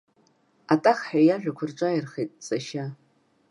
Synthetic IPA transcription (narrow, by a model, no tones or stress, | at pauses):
atʼaχħajaʒᶣakʷʰʊrʈ͡ʂʷʼajɪrχejtʼt͡sʼaʃa